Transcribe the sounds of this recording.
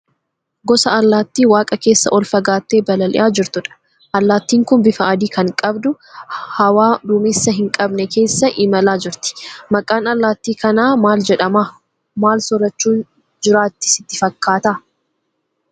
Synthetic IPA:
ɡɔsɐʔɐlːaːt̪ːiːwaːkʼɐke̞ːsːɐ̰ʔɔlfɐɡaːt̪ːeːbɐlɐlɪ̰ʔaːd͡ʒɪɾt̪ʊᶑɐ̥ | ʔɐlːaːt̪ːiːŋkʊnbɪfɐʔɐd̪iːkɐŋkʼɐbd̪ʊ | hɐwaːd̪ʊmɪsːɐɦɪŋkʼɐbnɛke̞ːsːɐʔɪmɐlaːd͡ʒɪɾt̪ɪ̥mɐkʼaːnɐlːaːt̪ːiːkɐnaːmaːld͡ʒɛᶑɐmaː | maːlsɔɾɐt͡ʃːuːn | d͡ʒɪɾaːt̪ːɪ̥sɪt̪ːɪfɐkːaːt̪ɐ

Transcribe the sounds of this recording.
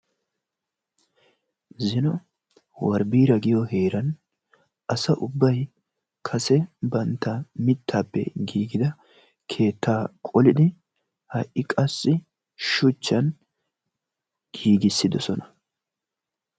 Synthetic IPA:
zɪnɔ | wɐɾbiːɾɐɡɪjɔhe̞ːɾɐn | ʔɐsɐʔʊbːɐj | kʰɐsɛbɐnt̪ːɐmɪt̪ʰːaːpːɛ̰ɡiːɡɪd̪ɐ | kʰe̞ːt̪ʰːaːkʼɔlɪd̪ɪ | hɐʔɪkʼɐsːɪ | ʃʊt͡ʃːɐn | ɡ̥iːɡɪsːɪd̪ɔsɔnɐ

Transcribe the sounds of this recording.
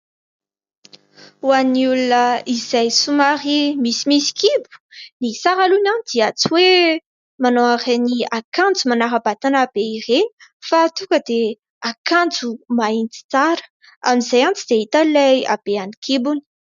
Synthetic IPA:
uaniulunəizajsumaɾimisimisi̥kibu̥nisaɾalunanid̪̥iat͡suwe | manoaɾeniakand͡zumanaɾabat̪anaːb̥eireni̥fat̪ukəd̪e | akãnd͡zumaint͡si̥t͡saɾə̥ | a̰mizajant͡sid̪̥eɦit̪alaja̰b̥eanikʰibuni̥

